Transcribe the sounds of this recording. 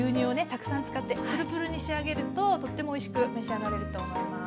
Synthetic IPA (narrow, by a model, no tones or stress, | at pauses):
ɯːɲ̟ɨ̃ːo̞ne̞t̪akɯ̟̥sãnt͡sɨ̥kat̪ːe̞ɸɯ̟ɾɯ̟pɯ̟ɾɯ̟ɲ̟iɕiaɡe̞ɾɯ̟t̪o̞t̪o̞t̪ːe̞mo̞ːiɕi̥kɯ̟meɕiaɡaɾe̞ɾɯ̟t̪o̞